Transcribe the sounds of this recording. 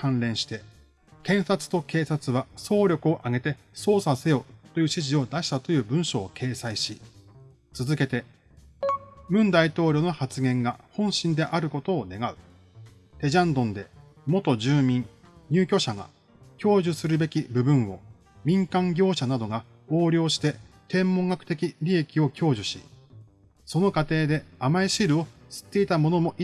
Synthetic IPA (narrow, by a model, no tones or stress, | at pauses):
kãnɾẽ̞ɰ̃ɕi̥t̪e̞ | kẽ̞ɰ̃sat͡sɨ̥t̪o̞ke̞ːsat͡sɨβaso̞ːɾʲo̞kɯ̟o̞ʔaɡe̞t̪e̞ | so̞ːsase̞jo̞ːt̪o̞jɯ̟ːɕiʑio̞d̪aɕi̥t̪at̪o̞jɯ̟ːbɯ̟̃ɰ̃ɕo̞ːkʰe̞ːsaiɕi | t͡sɨzɨke̞t̪e̞ | mɯ̟̃nd̪ait̪o̞ːɾʲo̞no̞hat͡sɨɡẽ̞ŋɡahõ̞ɰ̃ɕĩnd̪e̞ʔaɾɯ̟ko̞t̪o̞ːne̞ɡaɯ̟ | t̪e̞ʑãnd̪õ̞nd̪e̞ | mo̞t̪o̞ʑɨːmʲĩŋ | ɲ̟ʲɨːkʲo̞ɕaɡa̰ | kʲo̞ːʑɨsɨɾɯ̟be̞kʲibɯ̟bɯ̟̃ɰ̃o̞̰ | mʲĩŋkãŋɡʲo̞ːɕanad̪o̞ɡa | o̞ːɾʲo̞ːɕi̥t̪e̞t̪ẽ̞mːõ̞ŋɡakɯ̟̥t̪e̞kʲiɾʲie̞kʲio̞kʲʰo̞ːʑɨɕḭ | so̞no̞kat̪e̞ːd̪e̞amaiɕiɾɯ̟o̞sɨ̥t̪ːe̞it̪amo̞no̞mo̞ʔi